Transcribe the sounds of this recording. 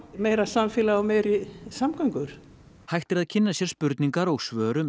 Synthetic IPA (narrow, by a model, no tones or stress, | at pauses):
mejɾasamfɪlaawmejɾisamkʰœjŋkʏɾ̥ | hajxt̪ɪɾaðcʰɪnːasjɛɾspʏɾt̪niŋkaɾoɣsvœːɾʏm